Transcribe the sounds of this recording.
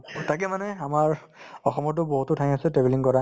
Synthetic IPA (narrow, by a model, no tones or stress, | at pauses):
tak̬ɛmanɛamaɹ | ɔxɔmɔt̬ʊbɔɦutʊtʰajasɛtɹɛbeliŋkɔɹa